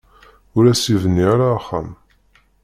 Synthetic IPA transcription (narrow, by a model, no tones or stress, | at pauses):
ʊɾæsivənːiaɾaːχːa̰m